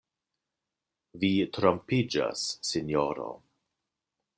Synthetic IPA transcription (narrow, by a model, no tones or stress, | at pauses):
vitɾompid͡ʒa̰sːinjoɾo̰